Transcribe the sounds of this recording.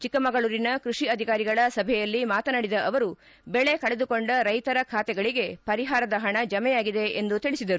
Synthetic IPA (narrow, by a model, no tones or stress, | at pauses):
t͡ʃikːɐmɐɡɐɭuːɾinɐkɾuʂiɐd̪ʱikaːɾiɡɐɭɐsɐbʱɛjɐlːimaːt̪ɐnaɽid̪ɐʔɐʋɐɾu | beɭe̞kɐɭed̪uko̞ɳɖɐɾɐjt̪ɐɾɐkʰaːt̪ɛɡɐɭiɡe̞pɐɾiɦaːɾɐd̪ɐɦɐɳɐd͡ʒɐmɛjaːɡid̪e̞end̪ut̪iɭisid̪ɐɾu